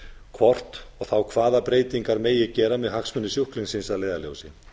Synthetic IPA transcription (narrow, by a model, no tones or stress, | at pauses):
kʰvɔr̥t̪ɔɣθawkʰvaːðapɾeːjt̪iŋkaɾmeːjɛɣcɛːɾamɛðɦaksmʏnːɪsjuhkliŋsɪnsaðleːjðalo̰wsɪ